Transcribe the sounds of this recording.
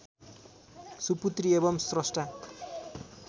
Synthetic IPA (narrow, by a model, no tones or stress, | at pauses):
suput̪riebʌmsrʌsʈʰa